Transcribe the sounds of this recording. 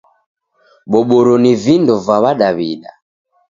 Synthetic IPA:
ɓɔɓɔɾɔnivindɔvaβaɗaβiɗa̰

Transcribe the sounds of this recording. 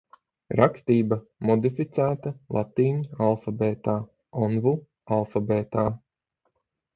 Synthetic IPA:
ɾʔakst̪iːba | mɔd̪ifit̪sæːt̪ɐlˠʔat̪iːɲialˠfabɛːt̪aː | ɔnvu | alˠfabɛːt̪aː

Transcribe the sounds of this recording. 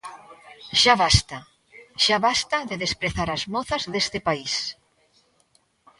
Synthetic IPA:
ʃaβast̪a | ʃaβast̪ɐðeðespɾeθaɾɐzmɔθɐzðest̪ɪpais

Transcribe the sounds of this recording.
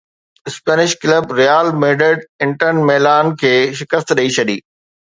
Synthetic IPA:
ɪspɛːnɪʃkləbɾijaːlmeːɖəɖɪ̃ɳʈənmɛːlaːnkʰeːʃɪkəst̪ɗɐit͡ɕʰɐɗiː

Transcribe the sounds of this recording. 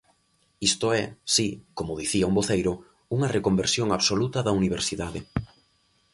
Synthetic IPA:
ist̪ʊɛsikomʊðiθiɐumboθejɾʊ | uŋɐrekombeɾsjoŋaβsolut̪ɐðɐuniβ̞eɾsiðaðe

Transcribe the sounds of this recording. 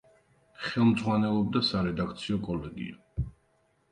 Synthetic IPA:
χɛlˠmd̪zʁwanɛlˠɔb̚d̪asaɾɛd̪ak̚t̪sʰiɔkʼɔlɛɡḭa

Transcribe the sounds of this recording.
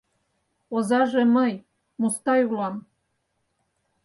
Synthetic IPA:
ozɑʒĕməj | must̪ɑjulɑm

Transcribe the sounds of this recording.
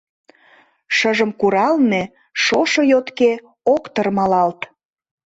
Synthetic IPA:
ʃəʒəmkuɾɑlne | ʃoʃɤjot̪ke | okt̪ərmɑlɑlt̪

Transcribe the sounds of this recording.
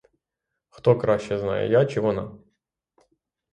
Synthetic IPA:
xt̪okɾaɕːɛzna̰jʊ̰jat͡ɕɪvona̰

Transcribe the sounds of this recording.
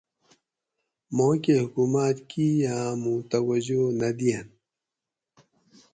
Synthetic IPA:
moːkehʊkumaːt̪kijãːmũt̪ɐwɐd͡ʑonɐd̪ijɐn

